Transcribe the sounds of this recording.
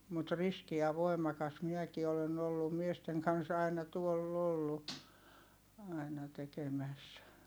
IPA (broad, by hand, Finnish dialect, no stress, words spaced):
mut riski jɑ ʋoi̯mɑkɑs miɛki olen olːum miesteŋ kɑns ɑinɑ tuolː olːu ɑinɑ tekemæs